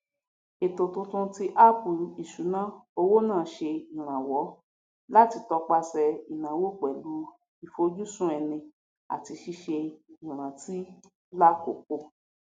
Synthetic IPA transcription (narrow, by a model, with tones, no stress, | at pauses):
e˨to˨tõ˧tũ˧ti˦ʔa˦pu˨i˨ʃu˨˦nã˦o˧wo˦nãː˦˨˦ʃe˧i˨ɾ̃ã˨wɔ˨˦ | la˦ti˧tɔ˧˦k͡pa˧sɛ˧i˨nã˨˦wo˦k͡pɛ˨lu˨˦ | i˨fo˧d͡ʒu˦sũ˦ɛ˧nĩ˧ | a̰˨ti˧ʃi˧ʃe˧i˨ɾ̃ã˨ti˦ | la˦ko̰˨ko˧˨